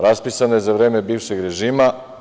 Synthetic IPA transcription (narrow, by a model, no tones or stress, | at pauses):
ɾaspisanojezaʋɾe̞ːme̞biːʋʃeɡɾe̞ʒiːma